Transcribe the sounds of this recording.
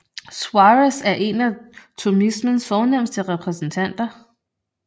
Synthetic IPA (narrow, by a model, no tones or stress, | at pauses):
swɑʁəsæɐʔe̝næt͡sʰumismənsfɒːnem̰sd̥əʁɛpʰʁɛsn̩t͡sʰæn̰d̥ɐ